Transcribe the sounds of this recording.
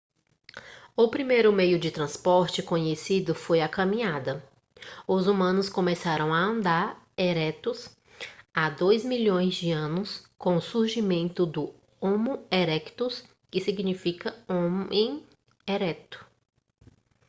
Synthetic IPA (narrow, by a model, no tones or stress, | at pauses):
ʊpɾimejɾʊmejʊd͡ʒɪt̪ɾɐ̃spɔɾt͡ʃɪkõɲesid̪ʊfojakɐ̃mĩɲad̪ɐ | ʊzumɐ̃nʊskõmesaɾɐ̃w̃aɐ̃nd̪aɾ | eɾɛt̪ʊs | ad̪ojzmiʎõj̃zd͡ʒɪɐ̃nʊskõw̃ʊsuɾʒimẽnt̪ʊd̪ʊ | õmʊeɾɛkt̪ʊs | kɪsiɡnifikɐõẽj̃ | eɾɛt̪ʊ̥